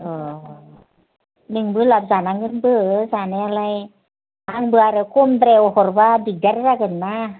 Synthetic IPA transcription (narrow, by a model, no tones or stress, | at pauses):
ʔɯː | nɯŋbɯlap̚saːnaŋːɯnbɯsaːnaalaj | haŋbɯaɾɛwkʰomt̪ɾɛwhɔrbadidaɾɾakɯnːa